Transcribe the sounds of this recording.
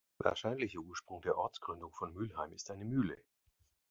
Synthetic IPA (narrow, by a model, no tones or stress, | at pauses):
va̰ːɐʃaɪnlɪçəʔuːɐʃpʁ̥ʊŋdeːɐʔɔɐt͡sɡ̥ʁ̥ʏndʊŋfɔnmyːlhaɪmɪstʔaɪnəmyːlə